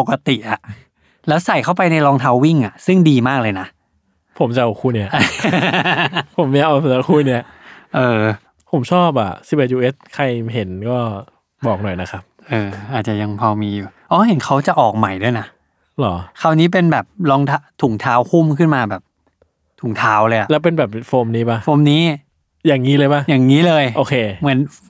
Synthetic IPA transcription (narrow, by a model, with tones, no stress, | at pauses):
po˨˩kːa˧t̪i˨˩ʔʔa˨˩ʔ | lɛː˦˥wsa˨˩jkʰa˥˩wpa˧jna˧jlɔː˧˥ŋt̪ʰa˦˥wːi˥˩ŋʔa˨˩sɯ˥˩ŋdiː˧maː˥˩k̚lɤː˧jna˦˥ʔ | pʰo˩˦mt͡ɕa˨˩ʔo˨˩kʰuː˥˩ni˦˥ɐʔ | pʰo˨˩˦mːi˦˥ɐ˨ʔɔː˧pʰo˨˦a˧˨˧kʰuː˥˩ni˦˥ɐ | ʔɤː˧ | pʰo˩˦mt͡ɕʰɔː˥˩p̚ʔa̰˨˩siː˧˩ba˧juː˧ʔeː˦˥skʰa˧jɦe˨˩˦nkɔː˥˩ | bɔː˨˩k̚nɔ˨˩jna˦˥kʰa˦˥p̚ʔʔɤː˧ʔaː˨˩t̪̚t͡ɕa˨˩ja˧ŋpʰɔː˧miː˧juː˨˩ʔɔː˦˥ɦe˨˦nkʰa˦˥wt͡ɕa˨˩ʔɔː˨˩k̚ma˨˩jdu˥˩˨jna˦˥ | lɔː˩˦kʰa˧˩wniː˦˥p̬e˧nbɛː˨˩p̚lɔː˦˥ŋt̪ʰa˦˥t̪ʰuː˨˩˦ŋt̪ʰaː˦˥whu˥˩mkʰɯ˥˩nmaː˧bɛː˨˩p̚ | t̪ʰuː˨˩˦ŋt̪ʰaː˦˥wlɤː˧ja˨˩lɛ˦˥wp̬e˧nbɛː˨˩p̚foː˧mniː˦˥baː˥˩foː˧mniː˦˥ | jaː˨˩ŋːiː˦˥lɤː˧jbaː˥˩jaː˨˩ŋːiː˦˥lɤː˧jʔoː˧kʰeː˧mɯ˩˦ən